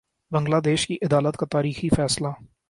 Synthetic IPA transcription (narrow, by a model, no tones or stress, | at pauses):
bɐ̃ŋɡlaːd̪eːʃkiʔɪd̪aːlət̪kat̪aːɾiːxifɛːsla